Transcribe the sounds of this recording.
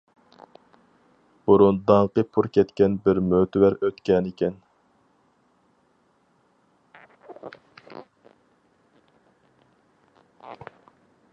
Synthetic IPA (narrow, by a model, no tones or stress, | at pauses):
b̥uɾund̪ɑŋqəpʰuɾkʲɛt̪kʲɛnbɪɾmøt̪ʰɪwæɾøt̪kʲɛnɪkʲɛn